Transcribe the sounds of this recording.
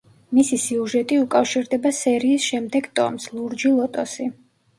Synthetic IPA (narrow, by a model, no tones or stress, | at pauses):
misisiuʒɛt̪ʼiukʼafʃiɾd̪ɛbasɛɾiːsʃɛmd̪ɛɡt̪ʼɔ̰mslˠuɾd͡ʒilˠɔt̪ʼɔsi